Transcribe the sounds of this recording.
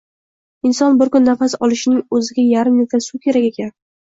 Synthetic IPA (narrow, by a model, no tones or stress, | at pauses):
ɪnsɒnbɪɾkʊnːafasɒlˠɪʃɪnɪŋɵzɪɡʲajaɾɪmnet̪ʰasukʲʰe̞ɾakʲekʲan